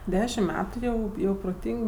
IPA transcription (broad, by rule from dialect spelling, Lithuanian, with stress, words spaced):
ˈdʲæːʃʲɪmt ˈmʲæːtʊ jɛʊ ˈjɛʊ proːˈtʲiːŋk